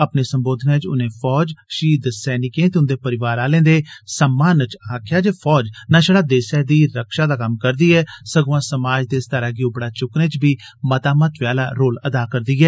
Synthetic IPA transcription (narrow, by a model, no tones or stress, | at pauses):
əpneːsəmboːd̪ʱnãːɪt͡ʃʊ̰nẽːpʰɔːd͡ʒʃiːd̪sɛːnɪkẽːt̪eʊnd̪eːpəɾɪʋaːɾaːlẽːnd̪eːsəmːaːnt͡ʃaːkʰjaːd͡ʒeːpʰɔːd͡ʒnãːʃəɽaːd̪eːsɛːd̪iːɾəkʃaːd̪aːkəmkəɾd̪iːɛːsəɡʋãːsəmaːd͡ʒd̪eːst̪əɾaːɡiːõbəɽaːt͡ʃʊknẽːt͡ʃbiː | mət̪aːmət̪ʋɪjaːlaːɾoːləd̪aːkəɾd̪iːɛː